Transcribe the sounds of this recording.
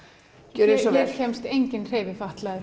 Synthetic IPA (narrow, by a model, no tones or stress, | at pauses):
ɛɾsɔɛɾcʰɛjmst̪ejɲcɪnr̥eːjvɪfaht̪laðɪ